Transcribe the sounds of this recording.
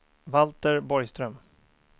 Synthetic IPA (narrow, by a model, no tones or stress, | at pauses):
valt̪əɾbɔɾjst̪ɾœm